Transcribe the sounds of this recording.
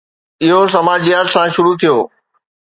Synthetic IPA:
ɪɦos̬ɐmaːd͡ʑijaːt̪sãʃʊɾut̪ʰijoː

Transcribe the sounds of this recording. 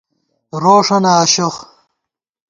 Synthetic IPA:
ɾoːʂɐnɐːɕox

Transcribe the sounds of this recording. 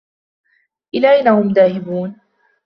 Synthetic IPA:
ʔɪlaːʔajnːahʊmðaːhɪbuːn

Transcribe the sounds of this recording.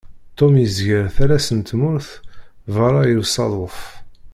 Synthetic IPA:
t̪ˤːomjəzʝəɾθæɾæsənt̪mʊɾθ | vɑɾˤɑjəwsˤɑðˤəf

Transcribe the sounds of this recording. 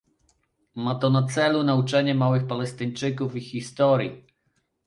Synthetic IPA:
mat̪ɔnat̪sɛlunaut͡ʂɛɲɛmawɘxpalɛst̪ɘɲt͡ʂɘkufixʲist̪ɔɾʲji

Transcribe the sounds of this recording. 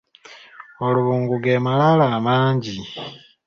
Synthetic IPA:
o̞luβuːŋɡuɡemalalaːmaːɲɟi

